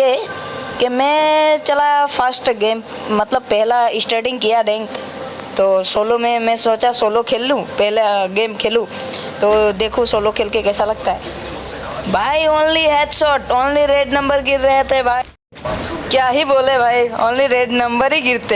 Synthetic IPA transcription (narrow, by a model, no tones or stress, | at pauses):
e | kemɛ̃t͡ʃɐlafʰəsʈɡeːm | mɐt̪ləb̚pɛɦlaɪsʈeːʈɪ̃ŋɡkijaɖ̪ẽːŋɡ | t̪oːsoːlõmẽmɛ̃soːt͡ʃasoːlokʰeːlːũpɛɦleɡeːmkʰeːlũ | t̪oːd̪eːkʰũsoːlõkʰeːlkekɛːsalɐɡ̚t̪aɦɛː | bʱaːioːnliɦeːʈ̪sɔːʈoːnliɾeːɖnɐ̃mbəɾɡɪɾːəɦt̪ɦɛbʱaːi | kjaːɦiboːlebʱaːio̰ːnliɾeːɖnɐ̃mbəɾɦiɡɪɾt̪e